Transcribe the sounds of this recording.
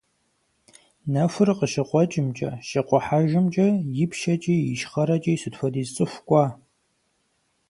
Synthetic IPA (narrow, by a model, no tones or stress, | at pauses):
nɐfɨrqəʃɪqʷʼɔt͡ʃʼɪmt͡ʃʼɐ̰ʃɐqʷʼɔħaʒɪmt͡ʃʼɐjɪpʰʃɐt͡ʃʼiːjɪʃχɐɾɐt͡ʃʼiːsɨtfɐdiːzt͡sʼɨfʷkʷʼɑː